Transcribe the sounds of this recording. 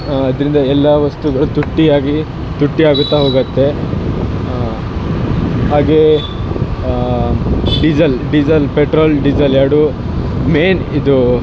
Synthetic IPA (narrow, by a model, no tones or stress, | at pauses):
ɐd̪ɐɾind̪ɐɛlːɐʋɐst̪uɡɐɭut̪uʈːiaːɡi | t̪uʈːiaːɡut̪ːaɦoːɡɐt̪ːe̞ | ɦaːɡe̞ː | ɖid͡ʒɐlɖid͡ʒɐlpeʈɾoːlɖid͡ʒɐljaːɽu | meːnid̪u